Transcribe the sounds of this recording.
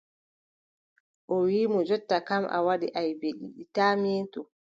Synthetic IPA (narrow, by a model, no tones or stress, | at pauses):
ʔɔwiːmɔd͡ʒɔtːakamʔa̰waɗiʔajbeɗiɗitaːmeːtɔ